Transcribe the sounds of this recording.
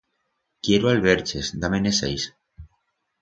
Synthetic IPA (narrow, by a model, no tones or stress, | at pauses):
kjeɾoalβeɾt͡ʃezd̪amenesḛjs